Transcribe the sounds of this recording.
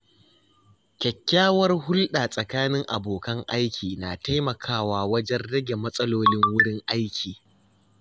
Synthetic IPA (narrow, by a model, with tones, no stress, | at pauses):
kʲɛ˨kʲːaː˦wɐ˦rɦʊ˦lɗa˨sʼɐ˨kaː˦nɪ˦ŋʔa̰˨boː˨kɐ˦ŋʔa˦jkʲʰiː˨na˨ta˦jmɐ˨kʰaː˦waː˨wɐ˦d͡ʒɛ˦nɽɐ˦ɡʲe˨mɐ˦sʼɐ˦loː˦lɪ˦ŋwʊ˦ɽɪ˦ŋʔa˦jkʲʰiː˨